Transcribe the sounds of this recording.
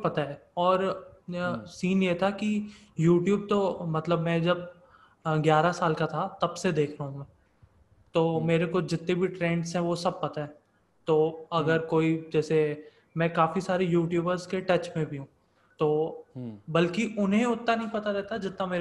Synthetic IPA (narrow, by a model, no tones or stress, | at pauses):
pɐt̪aɦɛːɔːɾ | siːnjet̪ʰaki | juːʈjuːb̚t̪omɐt̪ləbmɛ̃d͡ʒɐb̚ | ɡjaːɾasaːlkat̪ʰat̪ɐbsed̪eːkʰɾɐɦũmɛ̃ | t̪oːmeːɾekod͡ʒɪt̪nẽbʱiʈɾẽːɳɖsɦɛ̃ʋosɐb̚pɐt̪aɦɛː | t̪oːɐɡəɾkoːid͡ʒɛːse | mɛ̃ːkaːfisaːɾejuːʈjuːbəɾzkeʈɐt͡ʃmẽbʱiɦũː | t̪oː | bɐlkiʔʊnɦẽʊt̪ːanɐɦĩpɐt̪aɾɛːt̪ad͡ʒɪt̪nameːɾ